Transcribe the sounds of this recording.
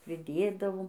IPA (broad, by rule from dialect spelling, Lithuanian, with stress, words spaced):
pʲrʲɪˈdʲeːdɐʋoːm